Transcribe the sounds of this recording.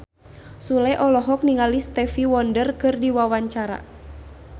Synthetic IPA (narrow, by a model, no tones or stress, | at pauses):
sulɛʔɔlɔɦɔk̚niŋalist̪ɛfiwɔndərkɨrdiwawaɲt͡ʃaɾa̰